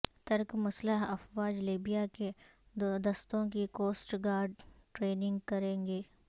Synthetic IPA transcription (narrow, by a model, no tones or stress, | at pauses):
t̪ɐɾkmɐsləɦɐfwaːd͡ʒliːbijake | d̪ɐst̪õkikoːsʈɡaːɾɖʈɾeːnɪ̃ŋɡkɐɾẽːŋɡeː